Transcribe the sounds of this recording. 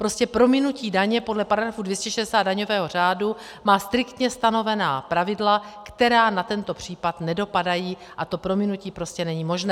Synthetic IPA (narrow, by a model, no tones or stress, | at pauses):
pɾo̞scɛpɾo̞mɪnuciːdaɲɛpo̞dlɛpaɾaɡɾafudvjɛscɛʃɛdɛsaːd̪daɲo̞vɛːɦo̞r̝aːdu | maːst̪ɾɪkt̪ɲɛst̪ano̞vɛnaːpɾavɪdlakt̪ɛɾaːnat̪ɛnt̪o̞pr̝̥iːpat̪nɛdo̞padajiː | ʔat̪o̞pɾo̞mɪnuciːpɾo̞scɛnɛɲiːmo̞ʒnɛː